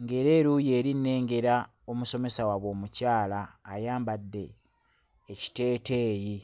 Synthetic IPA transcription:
ŋɡe̞ɾe̞ːɾuje̞ːɾinːe̞ːŋɡe̞ɾa | o̞muso̞me̞sawaβwo̞ːmucaːlaːjaːmbadːe̞ː | ci̥te̞ːte̞ːji

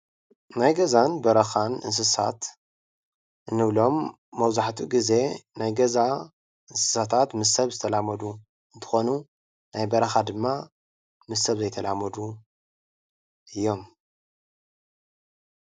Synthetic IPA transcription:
najɡɐzanbɐɾɐxanɨ̰ns̬ɨsa̰t̪ | ʔɨnːɨβlo̞mː | ɐwzaħt̪ʰuɡize̞najɡɐza | ɨnsɨ̥sat̪ʰat̪mɨsɐβzɨt̪ʰɐlamɐd̪u | ɨnt̪ʰɨ̥xo̞nu | najbɐɾɐxad̪ɨmːa | mɨsɐβzɐjt̪ʰɐlʔamɐd̪u | ʔɨjːo̞m

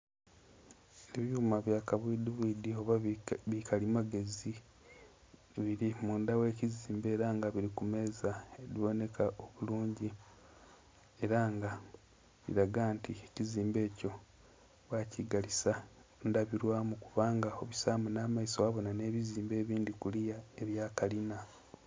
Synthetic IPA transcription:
eβjuːmaβjakaβwidiβiːdio̞βaβikʰalimaɡe̞zi | βiɾimuːndawe̞ːciziːmbe̞ːɾaːŋɡaβiɾikume̞ːzaeɾiβo̞ne̞kʰaʔo̞βuluːɲɟi | e̞ɾaŋɡa | βḭɾaɡaːntieciziːmbe̞ːco̞ | βwaciɡalisandaβiɾwaːmukuβaːŋɡao̞βisamunaːmaisoaβo̞nane̞ːβiziːmbe̞ːβiːndikulijae̞βjaːkalina

